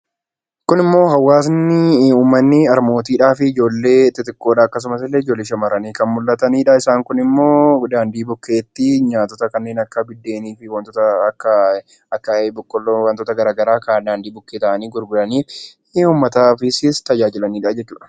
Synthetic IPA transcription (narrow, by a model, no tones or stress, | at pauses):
kʊnɪmːo̞ːɦɐwːaːs̬nːɪuːmːɐnːɪɐɾmo̞ːt̪iːᶑaːfɪːd͡ʒo̞ːlːe̞ːt̪ːɪt̪ɪkːo̞ːᶑ̪aːɐkːɐs̬ʊmɐs̬ɪlːeːɪd͡ʒo̞lːeːʃɐmɐɾɐniːkɐnmʊlːɐt̪ɐniːᶑɐɪsaːŋkʊnɪmːo̞ːd̪aːnd̪iːbʊkːe̞ːt̪ːɪɲaːt̪ɔt̪ɐkɐnːe̞ːnɐkːɐbɪd̪ːe̞ːniːfɪwɐnt̪ɔt̪ɐkːɐ | ɐkːɐbʊkːɔlwɐnt̪oːt̪ɐɡɐɾaːɡɐɾaːkɐd̪aːnd̪iːbʊkːeːt̪ɐʔɐniːɡʊɾɡʊlɐniːf | uːmːɐt̪aːfɪsɪst̪ɐd͡ʒaːd͡ʒɪlɐniːᶑad͡ʒɛt͡ʃːuːᶑɐ̥